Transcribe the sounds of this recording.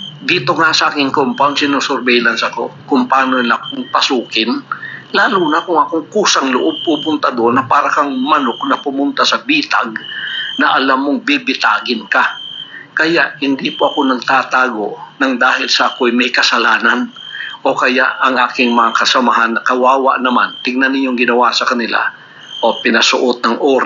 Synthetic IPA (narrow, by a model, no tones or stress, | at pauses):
d̪iːt̪o̞ŋasɐʔaːkɪŋkompoŋsɪnosoɾbɛjlɐnsɐko̰kʊmpaːnolak̚ʊŋpɐsuːkɪnlaːluːnɐkʊŋɐkoŋkuːsɐŋlʊʔob̚puːpʊnt̪ɐd̪onːɐpaːɾɐkɐŋmɐnoknɐpʊmʊnt̪asɐbiːt̪a̰ɡ̚nɐʔɐlamːoŋbibɪt̪aːɡɪnkɐkɐjaʔhɪnd̪ipoʔɐko̞nɐɡ̚t̪aːt̪aːɡo̞ʔnɐŋd̪aːhɪlsɐʔɐkoɐjmɐjkɐsɐlaːnɐn | ʔo̞kɐja̰ʔɐŋʔaːkɪŋmɐŋakɐsɐmɐɦanːɐkɐwaːwɐ̰ʔnɐmant̪ɪɡ̚nɐnːɪɲːo̞ŋɡɪnɐwasɐkɐnɪla̰ | ʔo̞pɪnɐsʊʔot̪̚nɐŋʔoːɾ